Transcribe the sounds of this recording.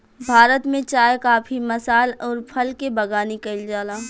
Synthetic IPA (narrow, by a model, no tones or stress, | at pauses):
bʱaːɾət̪mẽt͡ʃaːjkaːpʰimɐsaːlɔːɾpʰɐlkebɐɡaːnikɐld͡ʒaːlaː